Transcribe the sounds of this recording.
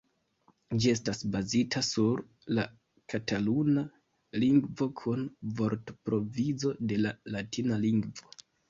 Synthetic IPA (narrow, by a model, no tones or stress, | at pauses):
d͡ʒie̞s̬tasbazitʰasuɾ | la | kʰataluna | liŋɡvo̞kʰunvo̞ɾtpɾo̞vizo̞de̞lalatʰinaliŋɡvo̞